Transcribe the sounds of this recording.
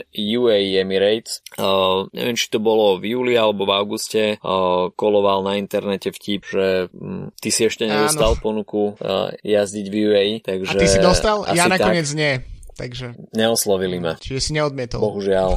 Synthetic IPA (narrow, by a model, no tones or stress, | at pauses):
juːɛɛmiɾɛjt͡s | ɲʔɛ̰ʋɪɛmt͡ʃi̥t̪ɔbɔlɔvjuːlialɛbɔvaʊɡuscɛkɔlɔʋalnaint̪ɛɾnɛcɛfcipʒɛt̪isiɛʃcɛɲɛd̪ɔst̪alˠpɔnukṵjazɟiɟvjuɛit̪aɡʒɛiid̪ɔsst̪alajanat̪kaɔɲɪɛd͡zɲɪɛt̪aɡʒɛɲɛɔslɔʋilimat͡ʃiʒɛsiɲɛɔd̪̚mɪɛt̪ɔbɔɦuʒɪal